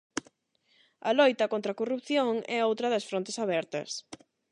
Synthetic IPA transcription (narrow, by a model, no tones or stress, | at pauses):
ɐlojt̪ɐkõnt̪ɾɐkorup̚θjoŋɛowt̪ɾɐðɐsfɾõnt̪e̥saβɛɾt̪ɐ̰s